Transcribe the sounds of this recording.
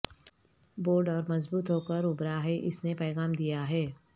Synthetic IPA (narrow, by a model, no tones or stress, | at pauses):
boːɾɖɔːɾmɐzbuːt̪ɦoːkəɾʊbɾaɦɛʔɪsnepɛːɣaːmd̪ijaɦɛː